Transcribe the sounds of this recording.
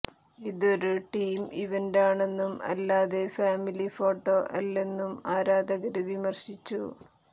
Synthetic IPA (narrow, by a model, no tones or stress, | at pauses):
iðo̞ɾuʈiːmiʋendaːɳe̞nːumɐ̰lːaːðe̞faːmilifo̞ːʈːo̞ʔɐ̰lːe̞nːumaːɾaːd̪ɐɣɐɾuʋimɐrɕit͡ɕːṵ